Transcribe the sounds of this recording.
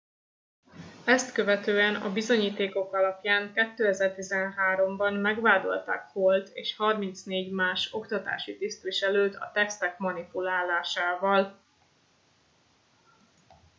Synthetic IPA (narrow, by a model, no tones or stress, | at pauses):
ɛst̪kø̞vɛt̪øːɛnɒ̰bizo̞ɲiːt̪eːko̞kɒlɒpjaːŋkɛt̪ːøːɛzɛrt̪izɛnɦaːɾo̞mbɒnmɛɡʋaːd̪o̞̰lt̪a̰ːkholt̪ḛːʃhɒrmint̪sneːɟmaːʃo̞kt̪ɒt̪a̰ːʃit̪ist̪ʋiʃɛløːt̪ɒ̰t̪ɛkst̪ɛkmɒnipulaːlaːʃaːvɒl